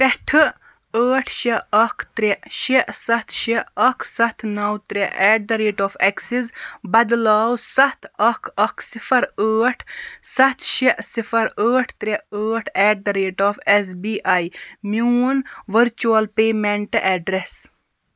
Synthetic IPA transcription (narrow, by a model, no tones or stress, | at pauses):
pʲɛʈʰɨ | əːʈʰʃeɐkʰt̪ɾeʃesɐt̪ʰʃeɐkʰsɐt̪ʰnɐwt̪ɾeʔɛːɖ̚d̪ɐɾeːʈɔːfʰɛksizbɐd̪laːwsɐt̪ʰɐkʰɐkʰsifʰɐɾəːʈʰsɐt̪ʰʃiʔsifʰɐɾəːʈʰt̪ɾeəːʈʰɛːɖ̚d̪ɐɾeːʈɔːfes̬biːʔajmuːnʋəɾt͡ʃuɐlpeːmeɳʈɨʔɛːɖɾes